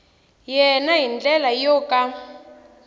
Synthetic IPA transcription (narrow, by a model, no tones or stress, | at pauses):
jɛnaɦind͡ɮɛlajɔka